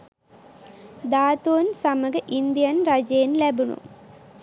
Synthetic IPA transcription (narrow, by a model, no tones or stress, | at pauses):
d̪aːt̪unsaməɡəʔind̪ijanɾad͡ʒɐjenlæbunṵ